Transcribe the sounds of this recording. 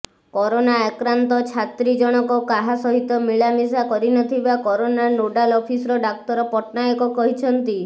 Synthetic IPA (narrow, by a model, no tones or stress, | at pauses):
kɔɾonaekɾant̪ɔt͡ʃʰat̪ɾid͡ʒɔɽ̃ɔkɔkaɦasɔɦit̪ɔmiɭamis̬akɔɾinɔt̪ʰibakɔɾonanoɖalɔpʰisɔɾɔɖak̚t̪ɔɾɔpɔʈnajɔkɔkɔɦit͡ʃʰɔnt̪i